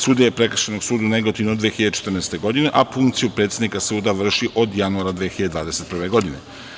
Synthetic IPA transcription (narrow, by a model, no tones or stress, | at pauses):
suːd̪ɲajepɾekr̩ʃenoɡsuːd̪auneɡot̪iʋnod̪ʋexiʎad̪et͡ʃe̥t̪r̩nɛːst̪e̞ɡo̞d̪ine̞ʔafuŋkt̪sijupɾe̞t̪sʲed̪nikasuːd̪aʋr̩ʃiʔo̞d̪januaɾad̪ʋexiʎad̪d̪ʋaːd̪ese̞t̪pr̩ʋe̞ɡo̞d̪ine